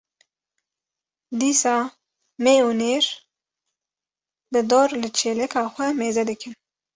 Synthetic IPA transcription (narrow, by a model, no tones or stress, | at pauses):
d̪iːsɑː | meːuneːɾ | bɨd̪oːɾlɨt͡ʃʰeːlɛkʰɑːxʷɛmeːzɛd̪ɨkɨn